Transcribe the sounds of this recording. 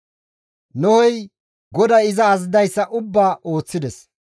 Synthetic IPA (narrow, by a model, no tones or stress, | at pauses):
nɔhɔj | ɡɔd̪ɐɪzɐːzɪd̪ɐjsːɐʔʊbːaːʔo̞ːt͡sːɪd̪ɛs